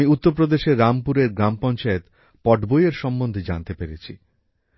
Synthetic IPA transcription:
iut̪ːoɾp̬ɾod̪eʃeɾːampuɾeɾɡɾampɔnt͡ɕaet̪ | pɔʈbojeɾʃɔmbond̪ʱed͡ʑa̰nt̪epeɾet͡ɕʰḭ

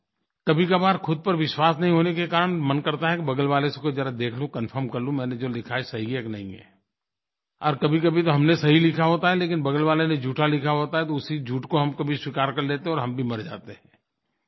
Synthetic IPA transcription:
kɐbʱikabaːd̪xʰʊd̪̚pɐɾʋɪʃwaːsnɐɦĩɦoːnekekaːɾənmɐnkɐɾt̪aɦɛkibɐɡəlʋaːlesekod͡ʒəɾad̪eːkʰlũkɐnfʰəɾmkɐɾlũmɛ̃ːned͡ʒoːlɪkʰaɛsɐɦikeknɐɦĩɦɛ̰ː | ɔːɾkɐbʱikɐbʱit̪oɦɐmnesɐɦilɪkʰaɦoːt̪aɦɛleːkɪnbɐɡəlʋaːlened͡ʒuːʈʰalɪkʰaɦoːt̪aɦɛt̪oʊsid͡ʒuːʈkoɦɐmkɐbʱiswikaːɾkɐɾleːt̪eɦɛ̃ɔːɾɦɐmbʱimɐɾd͡ʒa̰ːt̪eɦɛ̃ː

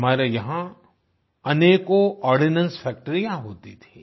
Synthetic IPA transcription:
ɐmaːɾejɐɦã | ɐneːkoʔɔːɾɖinə̃nsfɛːk̚ʈəɾijãɦoːt̪it̪ʰiː

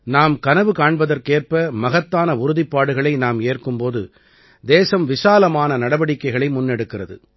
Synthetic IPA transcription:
naːmkɐnɐʋɯkaːɳbɐðɐɾkeːrpɐmɐɣɐt̪ːaːnɐʊɾʊðɪpːaːɽɯɣɐɭɐɪnaːmeːrkɯmpoːðɯ | d̪eːsɐmʋɪsaːlɐmaːnɐnɐɽɐʋɐɽɪkːɐɪɣɐɭɐɪmʊnːɛɽɯkːɪrɐðɯ̰

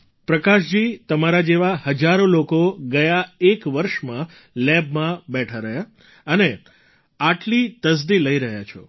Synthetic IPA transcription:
pɾəkaʃd͡ʒit̪əmaɾad͡ʒeʋahəd͡ʒaɾolokoɡəjaekʋəɾʃmã | lɛbmãbɛʈʰaɾəɦja | əne | aʈlit̪əs̬d̪iləiɾəɦjat͡ʃʰɔ̰

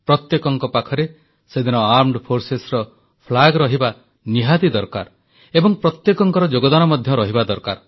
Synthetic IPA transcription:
pɾɔt̪jekɔŋkɔpakʰɔɾe | sed̪inɔaɾmɖpʰoɾsesɾɔ | pʰlaɡɾɔɦiba | niɦad̪id̪ɔɾka̰ɾ | ebɔŋpɾɔt̪jekɔŋkɔɾɔd͡ʒoɡɔd̪anɔmɔd̪ʱjɔɾɔɦibad̪ɔɾka̰ɾ

